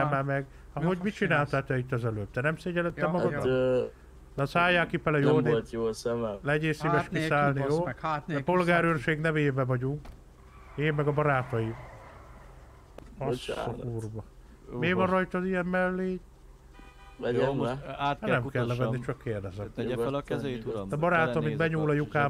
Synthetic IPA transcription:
ɛmɛmɛɡ | ɒɦo̞ɟmit͡ʃinaːlt̪aːt̪ɛit̪ːɛzɛløːb̚t̪ɛnɛmseːɟɛlɛt̪ːɛmɒɡɒd̪ | d̪ɛsaːjaːkipɛlɛjoːneːjosɛmɛlɛɟeːsivɛʃkisaːlniɾoːɛpo̞lɡaːɾøːrʃeːɡnɛveːbɛvɒɟuŋk | eːmːɛɡɒbɒɾaːt̪ɒji | ɒsokuːrbɒ | meːvɒnrɒjt̪ɒzijɛmmɛlːeː | ɛ | aːnɛmkɛllːɛvɛnːit͡ʃɒkːeːrd̪ɛzɛt̪ː | t̪ɒbɒɾaːt̪omibɛɲuːlɒjukaː

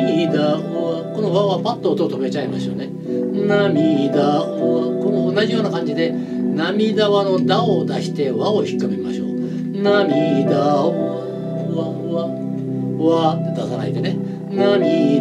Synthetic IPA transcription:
id̪a | ako̞no̞βaβapat̪ːo̞ːt̪oːt̪o̞me̞t͡ɕaimaɕo̞̰ne̞ | namʲid̪aβako̞noːnːaʑijo̞ːnakãɲ̟d͡ʑid̪e̞ | namʲid̪aβano̞d̪aod̪aɕi̥t̪e̞βaoçi̥kːɯmʲimaɕo̞̰ː | namʲid̪aa | βa | βa | βa | d̪asaɾa̰id̪ene | namʲi

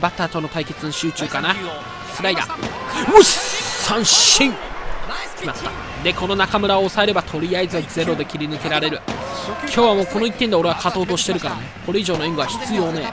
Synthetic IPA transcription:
bat̪at̪o̞not̪aike̞t͡sɨnɕɨːt͡ɕɨːkana | sɨɾaid̪a̰ | moɕi̥sãɰ̃ɕĩŋʲ | mast̪a̰ | d̪e̞ko̞no̞nakamɯ̟ɾaoːsae̞ɾe̞bat̪ʰo̞ɾʲijaizɨd͡ze̞ɾo̞d̪e̞kʲiɾʲinɯ̟ke̞ɾaɾe̞ɾɯ̟kʲʰo̞ːβamo̞ːko̞no̞it̪ːend̪e̞o̞ɾe̞βakat̪o̞ːt̪o̞ɕi̥t̪e̞ɾɯ̟kaɾa̰nekoɾe̞iʑo̞ːno̞ĩŋɡɯβaçi̥t͡sɨjo̞ːne

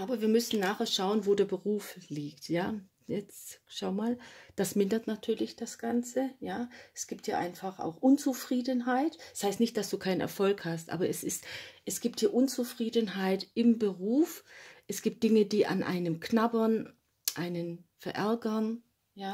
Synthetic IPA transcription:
ʔaːbɐviːɐmʏsn̩naːχɛːɐʃaʊənvoːdeːɐbəʁuːfliːktjaː | jɛt͡sʃaʊmaːld̥asmɪndɐtnatʰyːɐlɪçd̥asɡ̥ant͡səjaːɛsɡ̥iːp̚thiːɐʔa̰ɪnfaχʔa̰ʊxʔʊnt͡sufʁ̥iːdənɦaɪtɛshaɪstnɪçt̚d̥asd̥uːkʰaɪnənʔɛ̰ɐfɔlkhastʔa̰ːbɐʔɛsɪstʔɛsɡ̥iːp̚thiːɐʔʊnt͡sufʁ̥iːdənɦaɪtʔɪmbəʁuːfʔɛsɡ̥iːp̚t̚d̥ɪŋədiːʔa̰nʔa̰ɪnəmknabɐn | ʔaɪnənfɛɐʔɛɐɡɐn | jaː

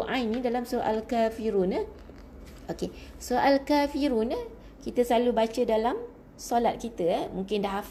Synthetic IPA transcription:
ʔãnĩdalamsuʔa̰lkafiɾunə | okesoʔalkafiɾunə | kit̪əslalubat͡ʃədalam | solat̪̚kit̪əmũŋkɪndaɦaf

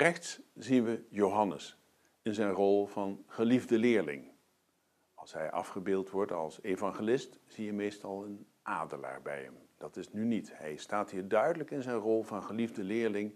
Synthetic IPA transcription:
rɛχtsz̥inʋəjowɦɑnə̰s | ɪnzɛjnrɔlˠv̥ɑnχəlivdəlɪːɹlɪ̰ŋ | ɑlˠsɦɛ̰jʔɑ̰fχəbɪːlˠtʋɔɹtɑ̰lˠsevɑŋχelɪstz̥ijəmejstɑlˠən | ʔaːdəla̰ːɹbɛ̰jɦə̰md̥ɑtɪsnynitɦɛjstaːtɦiːɹdœɥdələkɪnzɛjnrɔlˠvɑnχəlivdəlɪːɹlɪŋ

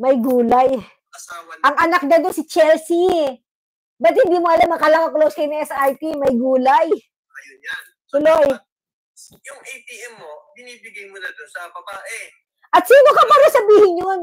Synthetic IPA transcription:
mɐjɡuːlaj | saʔɐŋʔɐnak̚d̪ɐd̪onsɪt͡ʃɛlsi | bɐt̪̚hɪnd̪iːmoʔɐlamnɐkɐlaŋɐŋklowskɐjʊnɐŋʔɛsajp̪imɐjɡuːlɐj | ɐjoant̪ʊloj | jʊŋʔejp̪iɛmːobɪniːbɪɡajmʊnad̪ʊnsɐbɐbaːʔɛ | ʔɐt̪̚siːno̞kɐpaːɾɐsɐbiːhɪɲɲon

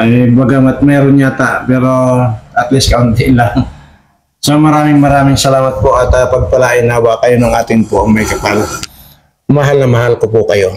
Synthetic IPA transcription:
ʔɐjbɐɡɐmɐt̪̚mɛːɾonɲat̪apɛːɾo̞ʔɐt̪liskɐʔʊnt̪ilaŋ | somɐɾaːmɪŋmɐɾaːmɪŋsɐlaːmɐt̪̚po̞ʔɐt̪apɐɡ̚pɐlaʔɪnaːwɐkɐjonoŋʔaːt̪ɪŋpoʔɐŋmɐjkɐpal | mɐɦalnɐmɐhalkopʊkɐjo̞

